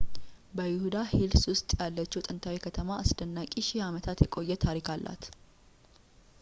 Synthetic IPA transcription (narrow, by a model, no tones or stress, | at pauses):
bəjɪhud̪ahilswʊst̪ʼjalːət͡ʃːut̪ʼɨnt̪ʰawikʰət̪ʰəmaːsd̪ənːakʼiʃijamət̪ʰat̪jɛkʼo̞jːɛt̪ʰaɾikʰalːʔa̰t̪